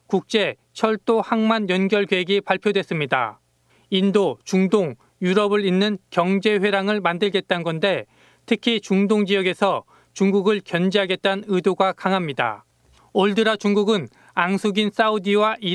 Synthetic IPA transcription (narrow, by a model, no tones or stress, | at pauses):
kuk̚t͡ɕ͈e̞ | t͡ɕʰʌɭt͈ohaŋmanjʌnɡjʌɭkeɦeɡipaɭpʰjodwe̞s͈ɯmɲida̰ | indot͡ɕuŋdoŋ | juɾʌbɯɾinːɯnkjʌŋd͡ʑe̞ɸwe̞ɾaŋɯɭmandɯɭɡe̞t̚t͈annɡʌnde̞ | tʰɯkʰit͡ɕuŋdoŋd͡ʑiʌɡe̞sʰʌ | t͡ɕuŋɡuɡɯɭkjʌnd͡ʑiɦaɡe̞t̚t͈anɯdoɡakaŋɦamɲida̰ | oɭdɯɾat͡ɕuŋɡuɡɯn | aŋsʰuɡins͈audiwaʔi